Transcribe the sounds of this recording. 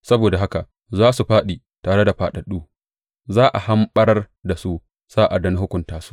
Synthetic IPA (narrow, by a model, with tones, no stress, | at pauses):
sɐ˦boː˨da˨ɦa˦ka˨ | zaː˦su˨ɸaː˦ɗiː˨ | taː˨ɽe˦da˨ɸaː˨ɗɐ˨ɗːuː˦ | zaː˦ʔa˨ha˦mɓɐ˦ɾr | da˨su˦ | saː˦ʔa˨dɐ˨ni˦hʊ˦kʷʊ˨ntaː˦su̥˦